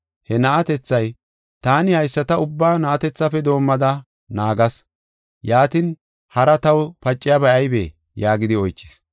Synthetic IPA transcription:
hɛnɐʔɐt̪ɛt͡sːɐj | t̪aːnɪhɐjsːɐt̪ɐʊbːaːnɐʔɐt̪ɛt͡sːɐfɛd̪o̞ːmːɐd̪ɐ | naːɡɐs | jaːt̪ɪn | hɐɾɐt̪ɐwpɐt͡ʃʼːɪjɐbɐʔɐjbeː | jaːɡɪd̪ɪɔjt͡ʃːɪ̥s

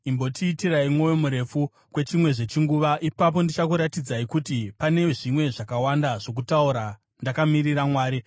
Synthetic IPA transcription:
imbo̞tʰiːtiraimwo̞jomuɾe̞fu | kwe̞t͡ʃimwe̞ʐe̞t͡ʃiŋɡuʋaʔipap̬o̞ndit͡ʃakuɾatid͡zaikutipane̞ʐimwe̞ʐakawandaʐo̞k̬utauɾa | ndakamiriramwaːɾi

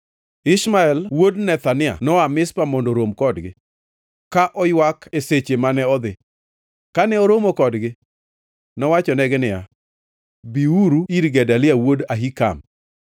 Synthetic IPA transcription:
ɪʃmaɛlwodnɛt̪anɪa̰nɔamɪspamɔndoɾomkɔdɡɪ̰ | kaʔɔjwakeset͡ʃemanɛɔd̪ɪ | kanɛɔɾomokɔdɡɪ | nɔwat͡ʃɔnɛɡɛnɪja̰ | biuɾuiɾɡɛdalɪawodaɦika̰m

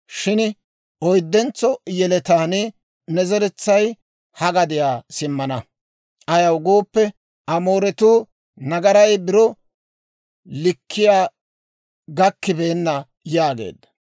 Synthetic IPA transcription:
ʃɪn | ɔjd̪ːɛnt͡sːɔjɛlɛt̪aːnɪ | nɛzɛɾɛt͡sːɐj | hɐɡɐd̪ɪjaːsɪmːɐnɐ | ʔɐjɐwɡoːpːɛ | ʔɐmo̞ːɾɛt̪uː | nɐɡɐɾɐjbɪɾɔ | lɪkːɪjaː | ɡɐkːɪbeːnːɐ | jaːɡḛːd̪ːɐ̥

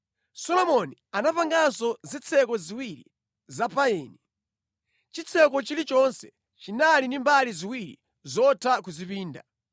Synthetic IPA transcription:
sɔlɔmɔnianapaŋɡasɔzit͡sʰɛkɔziwiɾi | zapaɛːni | t͡ʃit͡sʰɛkɔt͡ʃilit͡ʃɔnsɛ̥ | t͡ʃinalinimbaliziwiɾḭ | zɔtʰakuzipiːnda

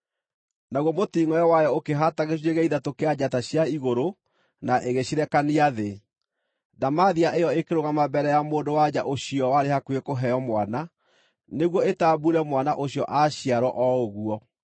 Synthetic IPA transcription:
naɣwɔmotiːŋɔjɔwajɔokeɦataɣeɕieɣɛiðatokead͡ʑataɕjaiɣoɾo | naʔeɣeɕiɾɛkaniaðe | damaðiaʔejɔekeɾoɣamabɛɾɛjamoːndowad͡ʑaʔoɕiɔwaɾehakuekoɦɛjɔmwana | neɣwɔetabuɾɛmwanaʔoɕiɔʔaɕiaɾwɔʔɔoɣuɔ

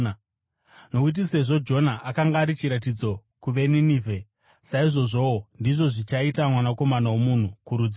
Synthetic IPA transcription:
no̞kut̬ise̞ʐo̞d͡ʒo̞naʔakaŋɡaːɾit͡ʃiɾat̬id͡zo̞ | kuʋe̞niniːvʱe | saiʐo̞ʐo̞ndiʐo̞ʐit͡ʃaitamwanako̞manawomun̤ukuɾud͡zia

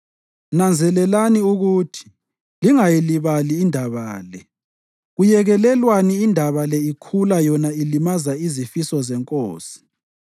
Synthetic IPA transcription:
nand͡zʱɛlɛlaniuɣuːtʰi̥ | liŋajiliβaliːndʱaβaːlɛ | ɣujɛɣɛlɛlwaniːndʱaβalɛikʰulajɔnailimazaizifisɔzɛŋkʼo̰ːsi̥

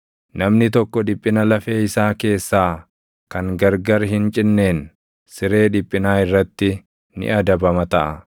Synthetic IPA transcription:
nɐmnɪt̪ɔkːɔᶑɪpʼːɪnɐlɐfe̞ːɪsaːke̞ːsːaː | kɐŋɡɐɾɡɐɾɦɪnt͡ʃʼɪnːe̞ːn | sɪɾe̞ːᶑɪpʼːɪnaːɪrːɐt̪ːɪ | nɪ̰ʔɐd̪ɐbɐmɐt̪ɐʔɐ

